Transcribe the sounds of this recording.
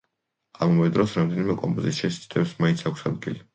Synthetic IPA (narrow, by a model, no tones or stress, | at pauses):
amavɛd̪ɾɔsɾamd̪ɛnimɛkʼɔ̰mpʼɔzisʃɛst̪ʰʼt̪ʰʼɛbsmaint̪sʰakʷʰsad̪ɡili